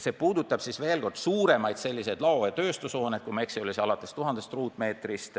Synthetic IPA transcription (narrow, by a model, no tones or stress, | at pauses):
se̞puːd̪ut̪ːˑɑb̥sisve̞ːlko̞rd̪̥suːɾe̞mɑjd̪̥se̞lʲːise̞jd̪lɑojɑt̪ø̞ːst̪uso̞ːned̪̚kume̞ksiolʲisiɑlɑt̪ːˑest̪uɦɑnd̪̥est̪ruːt̪ːˑme̞ːt̪rist̪